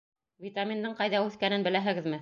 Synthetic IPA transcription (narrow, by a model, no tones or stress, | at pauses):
vʲit̪amʲind̪ɤɴqɑjðɑʉθkænɘnbɘ̆læɦɘ̆ɡɘ̆ðmɘ